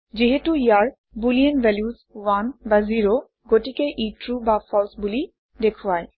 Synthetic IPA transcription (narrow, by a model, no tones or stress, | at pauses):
ziɦetuijaɹ | bulienbɛljuzwanbaziɹo | ɡotikeʔitɹubapʰɔlsbuli | dekʰuaj